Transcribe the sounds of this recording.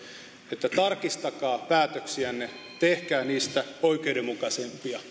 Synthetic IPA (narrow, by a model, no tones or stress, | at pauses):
et̪ːæt̪ɑrkist̪ɑkɑːpæːt̪øksiænːe | t̪ehkæːniːst̪æoikeudemukɑsempiɑ